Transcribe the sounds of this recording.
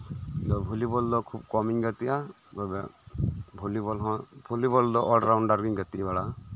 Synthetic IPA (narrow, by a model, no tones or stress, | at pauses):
d̪ɔbʱulibɔld̪ɔkʰub̚kɔmiɲɡat̪ija | bɔbɛ | bʱulibɔlɦɔ̃bʱulibɔld̪ɔʔɔlɖɾawɳɖaɾɡiŋɡat̪ibɛɽa